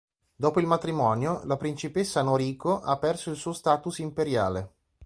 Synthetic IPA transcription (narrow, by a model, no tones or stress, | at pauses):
d̪ɔːpoilmat̪ɾimɔːnjolapɾint͡ʃipesːanoɾiːkoʔapːɛrsoilsuːost̪aːt̪usimpeɾjaːle